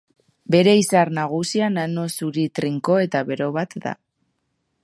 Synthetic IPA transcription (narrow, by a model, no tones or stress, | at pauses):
be̞ɾe̞isaɾnaɣ̞usianano̞suɾit̪ɾiŋko̞e̞t̪aβe̞ɾo̞βat̪d̪a̰